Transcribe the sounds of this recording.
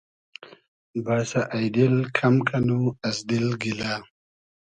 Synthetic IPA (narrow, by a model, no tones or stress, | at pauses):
baɾsaʔajd̪ɪlkʰamkʰanuasd̪ɪlɡila